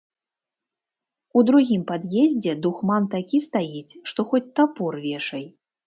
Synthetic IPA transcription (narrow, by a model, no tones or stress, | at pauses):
ud̪ɾuɣʲimpad̪jɛzʲd͡zʲɛd̪uxmant̪akʲist̪ajit͡sʲʂt̪ɔxɔt͡sʲt̪apɔrvʲɛʂɐj